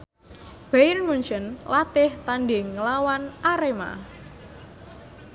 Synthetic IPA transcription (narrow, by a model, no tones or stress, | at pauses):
b̥ajnmuɲt͡ʃənlat̪ɪht̪anɖɪŋːəlawanʔaɾema̰